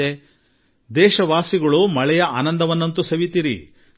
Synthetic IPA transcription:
e | d̪ɛːʃɐʋaːsiɡɐɭumɐɭɛjɐaːnɐnd̪ɐʋɐnːɐnt̪usɐʋit̪iɾḭ

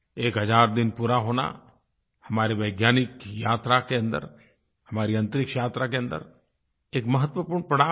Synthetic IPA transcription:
eːkɦɐd͡ʒaːɾd̪ɪnpuːɾaɦoːna̰ | hɐmaːɾiʋɐɪɡjaːnɪkjaːt̪ɾakeɐ̃nd̪ə̰ɾ | hɐmaːɾiɐ̃nt̪ɾɪkʃjaːt̪ɾakeɐ̃nd̪ə̰ɾ | eːkmɐɦət̪ʋəpuːɾɳpɐɽa

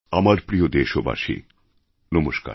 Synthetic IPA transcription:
amaɾpɾiod̪eʃoba̰ʃḭ | nomoʃka̰

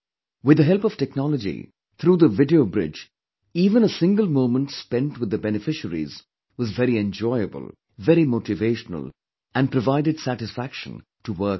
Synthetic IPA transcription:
wɨd̪əɦɛlˠpʌv̥tɛknɑləd͡ʒḭ | t̪ʰɾuːðəvɪdioʊbɾɪ̰d͡ʒ | iːvə̃nəsɪ̃ŋɡəlˠmõʊ̃mə̃ntspɛ̃ntwɨd̪əbɛnɨfɪʃəɾḭz | wʌzvɛɾiɛ̃nd͡ʒɔɪəbə̰lˠ | vɛɾimoʊʈɨveɪʃnə̰lˠ | æ̃npɾəvaɪdɨdsæɾɨsfækʃə̰̃n | təwɜ˞k

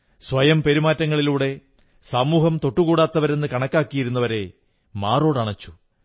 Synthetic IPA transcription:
sʋɐjɐmpe̞ɾimaːtːɐŋːɐɭiluːɽe̞ | saːmuːɦɐmt̪o̞ʈːuɣuːɽaːt̪ːɐʋɐɾe̞nːɨkɐɳɐkːaːkːijiɾunːɐʋɐɾe̞ | maːro̞ːɽɐɳɐt͡ɕːu̥

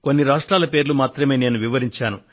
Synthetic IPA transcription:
ko̞nːiɾaːʂʈɾaːlɐpe̞ːɾulumaːt̪ɾɐme̞ːne̞ːnuʋiʋɐɾiɲt͡ʃaːnu

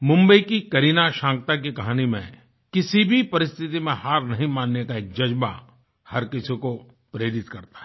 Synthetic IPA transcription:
mʊ̃mbəikikɐɾiːnaʃãːŋk̚t̪ak̬ikɐɦaːnimḛ̃ | kɪsibʱipɐɾɪst̪ʰɪt̪imẽhaːɾnɐɦĩmãːnːekaeːk̚d͡ʒɐd͡ʒba̰ | hɐɾkɪsĩko | pɾeːɾɪt̪kɐɾt̪ḁɦɛ

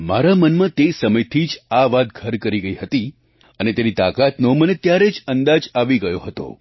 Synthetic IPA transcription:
maɾamənmãt̪esəməjt̪ʰid͡ʒaʋad̪̚ɡʱəɾkəɾiɡəiɦət̪i | ənet̪enit̪akat̪nomənet̪jaɾed͡ʒənd̪ad͡ʒaʋiɡəjoɦət̪o̰

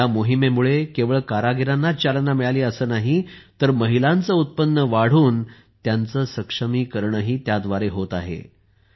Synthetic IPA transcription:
amoɦimemuɭekeʋəɭkaɾaɡiɾanːat͡ɕalnamiɭaliːəsəːnaɦit̪əɾməɦilant͡səut̪̚pənːəʋaɽ̤uːn | t̪jant͡səːsəkʂəmiːkəɾɳəɦiːt̪jad̪ʋaɾeɦot̪aɦḛ

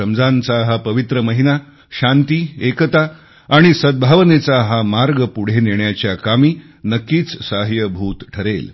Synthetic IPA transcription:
əmd͡zãnt͡saɦapəʋit̪ɾəməɦina | ɕant̪iːekət̪a | aːɽ̃isəd̪̚bʱaʋnet͡saɦamaɾɡəpuɽ̤eneɳjat͡ɕjakamiː | nəkːiːt͡ssaɦjəbʱuːt̪ʈʰəɾel

